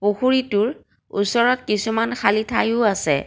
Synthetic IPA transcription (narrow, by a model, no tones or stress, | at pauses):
poxuɹitʊɹ | ṵsɔɹɔt̚kisumanxʰalitʰajʊasɛ̰